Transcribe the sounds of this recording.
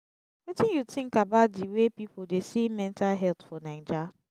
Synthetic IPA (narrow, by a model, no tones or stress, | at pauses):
wetĩnjutʰĩŋkabadiwepipodesimɛ̃ntalɦɛltfɔnãɪnd͡ʒa